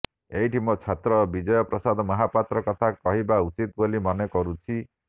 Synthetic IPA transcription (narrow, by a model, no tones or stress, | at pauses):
eiʈimɔt͡ʃʰat̪ɾɔbid͡ʒɔjɔpɾɔsad̪ɔmɔɦatpat̪ɾɔkɔt̪ʰakɔɦibaut͡ʃit̪bolimɔnekɔɾut͡ʃʰi